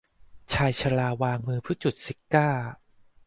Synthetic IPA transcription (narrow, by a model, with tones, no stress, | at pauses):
t͡ɕʰaː˧jt͡ɕʰa˧laː˧waː˧ŋmɯː˧pʰɯ˦˥t͡ɕu˨˩t̪̚si˨˩kaː˥˩